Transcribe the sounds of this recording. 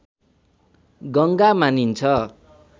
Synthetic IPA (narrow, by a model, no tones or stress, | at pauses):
ɡʌŋɡamanint͡sʰʌ